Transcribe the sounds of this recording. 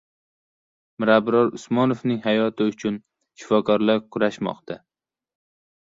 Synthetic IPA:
mɪɾabɾɒɾʊsmɒnofnɪŋhajɒt̪ʰɪʊt͡ʃʰʊn | ʃɪ̥fɒkʰɒɾlaɾkʰʊɾaʃmɒ̰qt̪ʰa

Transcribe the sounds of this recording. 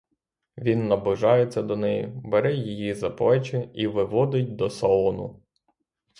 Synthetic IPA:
ʋʲinːɐbˠʊʒɑjet͡sʲːɐd̪ɔnɛjibeɾɛjijizɐplˠɛt͡ʃɪiʋɪʋɔd̪ɪtʲd̪ɔsɐɔnʊ

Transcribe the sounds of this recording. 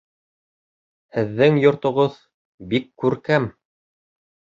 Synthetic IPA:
hɘ̆ðːɘŋjŏɾt̪ŏʁoð | bikːʉɾkæm

